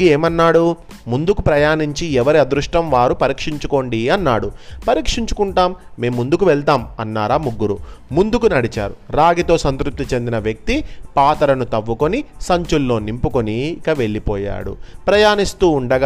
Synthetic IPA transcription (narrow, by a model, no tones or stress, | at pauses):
ieːmɐnːaːɽu | mund̪ukupɾɐjaːniɲt͡ʃiɛʋɐɾiɐd̪ɾuʂʈɐmʋaːɾupɐɾiːkʂiɲt͡ʃuko̞ːɳɖiɐnːa̰ːɽupɐɾiːkʂiɲt͡ʃu̥kuɳʈaːmːe̞ːmːund̪ukuʋɛɭt̪aːmɐnːaːɾaːmuɡːuɾumund̪ukunɐɽit͡ʃa̰ːɾuɾaːɡit̪o̞ːsɐnt̪ɾup̚t̪it͡ʃe̞nd̪inɐʋjɐk̚t̪ipaːt̪ɐɾɐnut̪ɐʋːuko̞nisɐɲt͡ʃulːo̞ːnimpukoniːkɐʋe̞ɭːipɔ̰ːja̰ːɽṵpɾɐjaːnist̪uːɳɖɐɡa